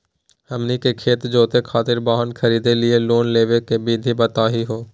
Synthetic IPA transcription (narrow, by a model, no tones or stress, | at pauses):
ɦəmnikekʰeːt̪d͡ʒoːt̪ekʰaːt̪ɪɾbaːɦənkʰəɾiːd̪elɪeloːnleːʋekebiːd̪ʱibət̪aːɦiɦoː